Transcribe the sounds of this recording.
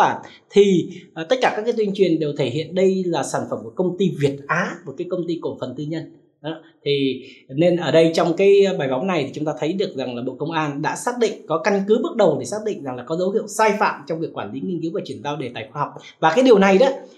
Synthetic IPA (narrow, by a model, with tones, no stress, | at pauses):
a˧˩ | t̪ʰi˨˩˨t̪ə˦˥kaː˧˩kaː˦˥kːjt̪wi˧ət͡ɕwi˨˩ənɗe˨˩wt̪ʰe˧˩ɦḭ˧˨ənɗə˧jlaː˨˩saː˧˩nfə˧˩mku˧˩kə˧wŋ͡mt̪i˧vi˨˩ət̚ʔaː˨˦mo˨˩kaː˨˦jkə˧ŋ͡mt̪i˧ko˧˩fə˨˩nt̪ɨ˧ɲə˧n˨˦ | t̪ʰi˨˩ne˧nʔəː˧˩ɗə˧jt͡ɕɔ˧wŋ͡mkaː˨˦jɓaː˨˩jɓa˨˦ŋ͡mna˨˩jt̪ʰi˨˩t͡ɕʊ˨˦ŋ͡mt̪aː˧t̪ʰə˨˦jɗɨ˨˩ək̚za˨˩ŋlaː˨˩ɓo̰˧˨kə˧wŋ͡mʔaː˧nɗa̰ː˧˥saː˦˥t̚ɗḭ̈˧˨ŋ̟kɔ˨˦ka˧ŋkɨ˨˦ɓɨ˦˥t̚ɗə˨˩wɗe˧˩saː˦˥k̚ɗḭ˧˨ŋ̟za˨˩ŋlaː˨˩kɔ˨˦zə˨˦whḭ˧˨əwsaː˧jfa̰ː˧˨mt͡ɕɔ˧ŋ͡mvi˨˩əkːwaː˧˩nli˨˦ŋï˧ŋki˨˦wvaː˨˩t͡ɕwi˧˩ənzaː˧wɗe˧˩t̪a̰ː˧˨jxwaː˧hɔ˨˩wk͡p̚ | vaː˨˩kaː˨˦jɗi˨˩əwna˨˩jɗɔ˨˦